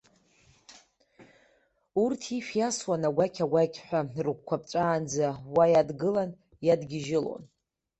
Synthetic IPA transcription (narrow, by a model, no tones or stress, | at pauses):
urtʰiʃjaswanaɡʷakʲʰaɡʷakʲʼħʷᶣarχʷkʷʰap̚ʰʼt͡ʃʷʼaːnd͡zawajadɡɨlan | jadɡʲɪʒɪlo̰n